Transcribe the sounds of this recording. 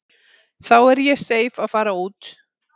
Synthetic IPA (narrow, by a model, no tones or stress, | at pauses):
θawɛɾjɛseːjvaðfaːɾauːt̪